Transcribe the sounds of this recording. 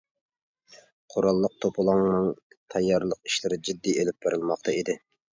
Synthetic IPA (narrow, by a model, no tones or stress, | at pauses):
qʰoɾɑlˠːəq̚t̪ʰopʰʊlˠɑŋnɨŋ | t̪ʰɑjːɑɾlˠəqi̥ʃlɪɾɪd͡ʒid̪ːielɪp̚b̥eɾɪlˠmɑqt̪ʰɑid̪ɪ